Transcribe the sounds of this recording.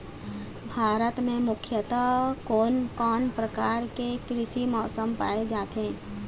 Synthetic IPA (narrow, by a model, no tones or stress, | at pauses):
bʱaːɾət̪mẽmʊkʰjət̪akoːnkɔːnpɾəkaːɾkekɾɪʃimɔːsəmpa̰ːed͡ʒaːt̪ɦẽː